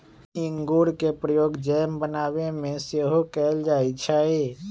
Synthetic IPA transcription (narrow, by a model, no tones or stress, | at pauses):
ɪ̃ŋɡuːɾkepɾəjoːɡd͡ʒɛːmbənaːwemẽseɦokɛːld͡ʒaːit͡ʃʰae